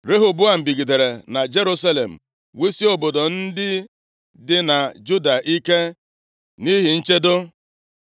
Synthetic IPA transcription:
ɾe˦ɦʊ˨bʊ˦a˨m̩˨bi˨ɡi˨de˨ɾe˨na˨d͡ʒe˦ɾu˦sa˦lḛ˨m̩˨ | we˦si˦o˨bo˨do˨n̩˦dɪ˦ | dɪ˦na˨d͡ʒu˦da˨ʔi˦ke˦ | ni˦ɦi˨n̩˦t͡ʃe˦dʊ˦

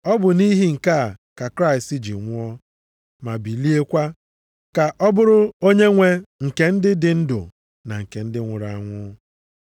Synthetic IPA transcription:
ɔ˦bʊ˨ni˦ɦi˨ŋ̩˨ka˦˨ka˨kɾa˦ɪ˨sti˦d͡ʒḭ˨ŋʷʊ˦ɔ˦ | ma˨bi˨li˦e˦kʷa˦ | ka˨ʔɔ˦bʊ˦ɾʊ˦o˦ɲe˦ŋʷe˦ŋ̩˨ke˨n̩˦dɪ˦dɪ˨n̩˦dʊ̰˨ | na˨ŋ̩˨ke˨n̩˦dɪ˦ŋʷʊ˨ɾa˨a˨ŋʷʊ˦

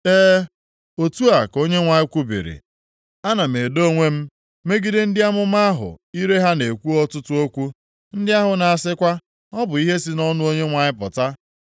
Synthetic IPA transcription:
eː˦ | o˨tu˦a˨ko˦ɲe˦ŋʷa˨ɲɪ˦kʷu˦bḭ˨ɾḭ˨ | a˦na˨me˨do˦ŋʷe˦m̩˦ | me˦ɡi˦dɪ˦n̩˦dɪ˦a˦mʊ˦ma˦a˦ɦʊ̰˨i˦ɾe˦ɦa˦ne˨kʷu˦ɔ˦tʊ˦tʊ˦o˦kʷu˦ | n̩˦dɪ˦a˦ɦʊ˨na˨a˨sɪ˦kʷa˦ | ɔ˦bʊ˨i˦ɦe˦si˦nɔ˦nʊ˦o˦ɲe˦ŋʷa˨ɲɪ˦pʊ˨ta˦

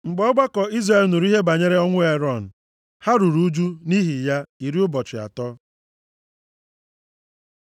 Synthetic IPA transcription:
ŋ͡m̩˨ɡ͡bɔ˦ɡ͡ba˦kɔ˨i˦zɾa˨e˨lnu˨ɾu˦i˦ɦe˦ba˨ɲe˦ɾe˦ɔ˦ŋʷʊ˦e˦ɾɔ˦˨n̩˨ | ha˦ɾu˨ɾu˦d͡ʒu˦ni˦ɦi˨ja˦i˨ɾi˦ʊ˦bɔ˨t͡ʃɪ˨a̰˨tɔ˦

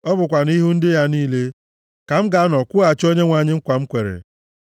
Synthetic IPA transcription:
ɔ˦bʊ˨kʷa˨ni˦ɦu˦n̩˦dɪ˦ja˦niː˦le˦ | ka˨m̩˦ɡa˨˦nɔ˨kʷʊ˦a˨t͡ʃo˦ɲe˦ŋʷa˨ɲɪ˦ŋ̩˦kʷa˨m̩˦kʷe˨ɾḛ˨

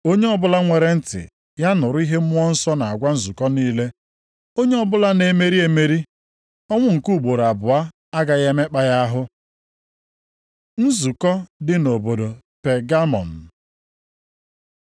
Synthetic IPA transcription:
o˦ɲe˦ɔ˦bʊ˦la˦ŋʷe˨ɾe˨n̩˦tɪ̰˨ | ja˦nʊ˨ɾʊ˦i˦ɦe˦ʊ˦ɔ˦n̩˦sɔ˦na˨a˨ɡʷa˦n̩˦zu˨kɔ˦niː˦le˦ | o˦ɲe˦ɔ˦bʊ˦la˦ne˨me˦ɾi˦e˨me˦ɾi˦ | ɔ˦ŋʷʊ˦ŋ̩˨ku˦˨ɡ͡bo˨ɾa˨bʊ˨a˦ | a˦ɡa˦ɣe˦me˦k͡pa˦ja˦ɦʊ˦ | n̩˦zu˨kɔ˦dɪ˦no˨bo˨do˨ | pe˨ɡa˦mɔ̰˨n̩˨

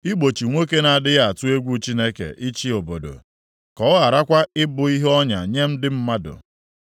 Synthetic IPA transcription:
i˦ɡ͡bo˨t͡ʃi˨ŋʷo˦ke˦na˨dɪ˦ɣa˦˨a˨tʊ˦e˦ɡʷu˦t͡ʃi˦ne˦kḛ˨ʔi˦t͡ʃi˦o˨bo̰˨do̰˨ | kɔ˨˦ɣa˨ɾa˦kʷa˦ɪ˦bʊ˨i˦ɦɔ˦ɲa̰˨ɲe˦m̩˦dɪ˦m̩˦ma˦dʊ̰˨

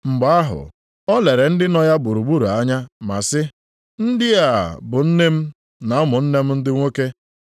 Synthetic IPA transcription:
ŋ͡m̩˨ɡ͡ba˦a˦ɦʊ̰˨ | ɔ˦le˨ɾe˨n̩˦dɪ˦nɔ˦ja˦ɡ͡bu˨ɾu˨ɡ͡bu˦ɾu˨a˦ɲa˦ma̰˨sɪ˦ | n̩˦dɪ˦a˨bʊ˨n̩˦ne˦m̩˦ | na˨˦mʊ˨n̩˦ne˦m̩˦n̩˦dɪ˦ŋʷo˦ke˦

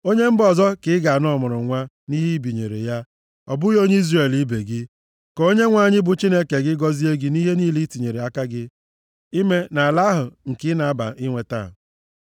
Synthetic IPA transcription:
o˦ɲe˦m̩˦bɔ˨zɔ˦kɪ˨˦ɡa˨a˨nɔ˦˨mʊ˨ɾʊ˨ŋʷa˦ | ni˦ɦe˦i˦bi˨ɲḛ˨ɾḛ˨ja˦ | ɔ̰˨bʊ˦jo˦ɲe˦i˦zre˨li˦be˨ɡɪ˦ | kɔ˨˦o˦ɲe˦ŋʷa˦˨ɲɪ˦bʊ˨t͡ʃi˦ne˦ke˨ɡɪ˦ɡɔ˦zi˦e˦ɡɪ˦ni˦ɦe˦ni˦li˦ti˨ɲe˨ɾe˨a˦ka˦ɡɪ˦ | i˦me˦na˨la˦ɦʊ˨ŋ̩˨kɪ˦na˨a˦ba̰˨ʔɪ˦ŋʷe˨ta̰˦˨

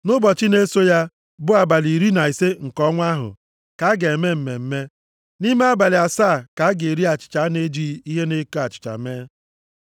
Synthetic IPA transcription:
nʊ˦bɔ˨t͡ʃɪ˦ne˦so˦ja˦ | bʊ˦a˨ba˨li˨ɾi˦na˨i˨se˦ŋ̩˨kɔ˦ŋʷa˦ɦʊ̰˨ | ka˨a˦ɡe˨e˨me˦m̩˨me˨m̩˦me˦ | ni˦me˦a˦ba˨lɪ˨a˨saː˦˨ka˨a˦ɡe˨ɾi˦a˨t͡ʃɪ̥˨t͡ʃa˨˦ne˦d͡ʒi˦i˦ɦe˦ne˦ko˦a˨t͡ʃɪ̥˨t͡ʃa̰˨me˦

